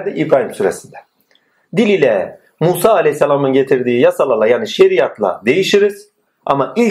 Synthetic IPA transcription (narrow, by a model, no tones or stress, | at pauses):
ɾd̪iʔibɾaːɦimsyɾesind̪ɛ | d̪ilʲilʲɛ | muːsaːlʲejçsːalʲˠaːmɯnɟe̞t̪ʰiɾd̪iːjasalˠalˠajaːniʃe̞ɾijat̪ʰlˠa̰d̪e̞jiʃiɾiz̥ | a̰maʔilʲ